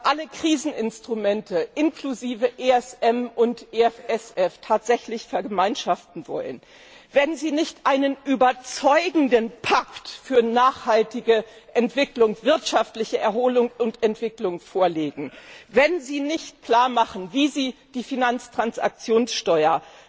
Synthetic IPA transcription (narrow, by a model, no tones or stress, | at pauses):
ʔaləkʁ̥iːzn̩ɪnstʁ̥umɛntʰəʔɪnkluziːvəʔeːɛsʔɛmʔʊntʔeɛfɛsɛftʰaːtz̥ɛçlɪçfɛɐɡəmaɪnʃaftn̩vɔ̰lə̰n | vɛnziːnɪçtʔaɪnənʔyːbɐt͡sɔʏɡŋ̩dənpʰaktfyːɐnaːχhaltɪɡəʔɛntv̥ɪklʊŋv̥ɪɐtʃaftlɪçəʔɛɐhoːlʊŋʊntɛntv̥ɪklʊŋfoːɐleːɡŋ̩vɛnziːnɪçt̚kl̥aːɐmaχn̩viːziːd̥iːfinant͡stʁ̥ansa̰k̚t͡sjoːnsʃtɔʏɐ